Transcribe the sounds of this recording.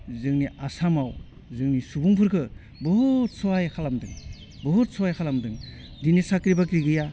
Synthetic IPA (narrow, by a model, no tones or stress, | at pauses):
zɯŋniʔasamaw | zɯŋnisubuŋpʰɯɾkʰɯ | bɯɦt̚sɔwajkʰalamdɯŋ | bɔɦut̚sɔwajkʰalamdɯŋ | dinisakɾibakɾiɡɯja